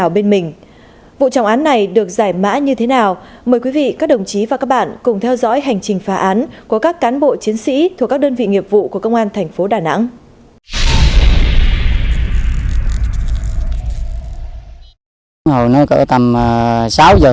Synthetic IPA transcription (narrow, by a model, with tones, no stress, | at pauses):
a˨˩wɓe˧nmï˨˩ŋ̟ | vṵ˧˨t͡ɕa˨˦wʔaː˨˦nːa˨˩jɗɨ˨˩ək̚zaː˧˩jma̰ː˧˥ɲɨ˧t̪ʰe˨˦naː˨˩wməː˨˩jkwi˨˦vḭ˧˨kaː˦˥k̚ɗə˨˩wŋ͡mt͡ɕi˨˦vaː˨˩kaː˦˥k̚ɓa̰ː˧˨nkʊ˨˩ŋ͡mt̪ʰɛ˧wzɔ̰˧˥jɦa˨˩jŋ̟t͡ɕï˨˩ŋ̟faː˨˦ʔaː˨˦nku˧˩əkaː˦˥kːaː˨˦nɓo̰˧˨t͡ɕi˨˦ənsḭ˧˥t̪ʰu˨˩ka˦˥ɗəː˧nvḭ˧˨ŋi˨˩əp̚vṵ˧˨ku˧˩əkə˧wŋ͡mʔaː˧nt̪ʰɛ˨˩jŋ̟fo˨˦ɗaː˨˩na̰˧˥ŋ | hə˨˩wnəː˧˦jkə̰ː˧˥˩t̪a˨˩m˩saː˨˦wzəː˨˩